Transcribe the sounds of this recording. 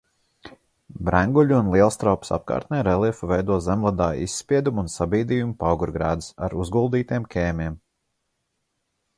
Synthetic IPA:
bɾæŋɡuʎʲuːnlˠiɛlˠst̪ɾawpsa̰p̚ka̰ːɾt̪nɛjɾɛlˠiɛfuvɛjd̪uɔzɛmlˠad̪aːḭsːpʲiɛd̪umunsabiːd̪iːjumupawɡuɾɡɾaːd̪isa̰ɾuzɡulˠd̪iːt̪iɛmkʰʲɛːmʲiɛm

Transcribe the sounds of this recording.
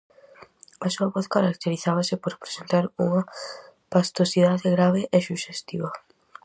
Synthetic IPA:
asuɐβɔθkaɾak̚t̪eɾiθaβ̞ɐsɪpoɾpɾe̥sent̪aɾuŋɐpast̪osiðaðeɣɾaβeʔesuʃest̪iβɐ

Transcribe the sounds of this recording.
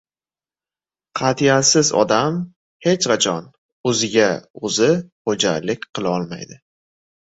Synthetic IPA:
qʰɑt̪ʰijasɪzɒ̰d̪am | he̞t͡ʃqɑt͡ʃʰɒn | ɵzɪɡʲaɵzɪχod͡ʒa̰lɪkʲqʰɨlˠaɒlˠma̰jd̪ɪ

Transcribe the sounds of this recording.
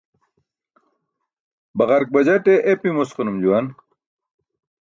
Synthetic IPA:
bɐʁɐɾk̚bɐd͡ʑɐʈeʔepimosqunumd͡ʑuwan

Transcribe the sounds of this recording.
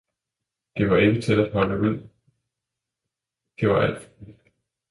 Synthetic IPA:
d̥e̝ʋɑ̈e̝ɡ̥ət͡sʰe̝læd̥ɦɒ̽ləʋel̰ | d̥e̝ʋɑ̈ʔæl̰d̥fi̥

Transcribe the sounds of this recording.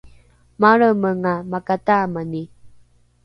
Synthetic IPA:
maɭəməŋamakatamani

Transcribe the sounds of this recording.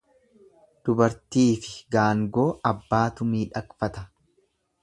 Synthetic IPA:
d̪̥ʊbɐɾt̪iːfɪɡaːŋɡo̞ːɐbːaːt̪ʊmiːᶑɐkfɐt̪ɐ

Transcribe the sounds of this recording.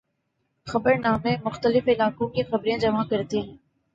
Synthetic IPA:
xɐbəɾnaːmẽmʊxt̪əlɪfɪlaːkõkexɐbɾijãd͡ʒɐmakɐɾt̪eɦɛ̃ː

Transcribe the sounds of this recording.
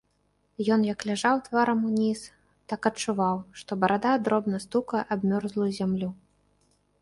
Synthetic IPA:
jɔnjɐklʲaʐawt̪vaɾɐmunʲis | t̪akɐt͡ʂuvawʂt̪ɔbɐɾʔad̪ad̪ɾɔbnɐst̪ukɐʔabmʲɔrzlˠujuzʲamlʲu

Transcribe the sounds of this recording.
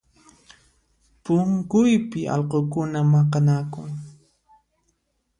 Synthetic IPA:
pʊŋkʊjpɪʔɑ̰lqokʊnamɑqɑnakʊŋ

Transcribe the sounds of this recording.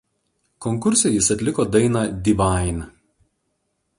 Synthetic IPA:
kɔŋkʊɾʲsʲɛjɪsɐt̪ʲlʲɪkoːd̪ɐɪnɑd̪ʲiːʋɑˑɪnʲ

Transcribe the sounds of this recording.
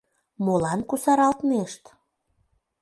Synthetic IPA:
molɑnkusɑɾɑlt̪neʃt̪

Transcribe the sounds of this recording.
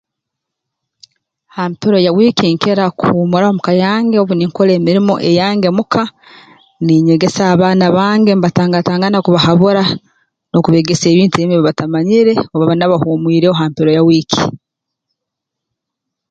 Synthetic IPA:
haːmpiɾo̞jawiːkiŋkeɾakuhumuɾaomukajaːŋɡeoβuniŋkole̞ːmiɾimo̞̰ʔe̞jaːŋɡe̞mukʰa | niɲe̞ɡe̞saːβaːnaβaːŋɡemβataːŋɡataːŋɡanakuβahaβuɾa | no̞kuβe̞ːɡese̞ːβiːntuemiβiβatamaɲiɾe̞oβaβanaβahuːmwiːɾeoɦaːmpiɾo̞jawiːki̥̰

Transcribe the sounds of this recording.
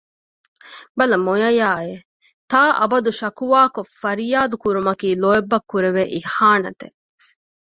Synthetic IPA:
bɐlɐmojɐjaːe | t̪aːʔɐ̰bɐd̪uʃɐkuʋaːkofɐɾijaːd̪ukuɾumɐkiːloebːɐkːuɾeʋeʔihaːnɐt̪ḛ

